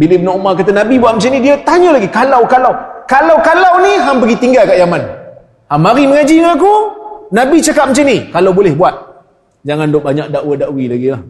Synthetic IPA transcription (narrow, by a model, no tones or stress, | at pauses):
bilibənaumakat̪ənabibuat̪̚mət͡ʃənidiət̪aɲəlaɡikalawkalawkalawkalawniɦampəɡit̪iŋɡalkaʔjaman | hamaɾiməŋad͡ʒiŋakunabit͡ʃakat̪̚mət͡ʃənikalawbolɛhbuat̪̚ | d͡ʒaŋandoʔbaɲak̚daʔwədaʔwilaɡilah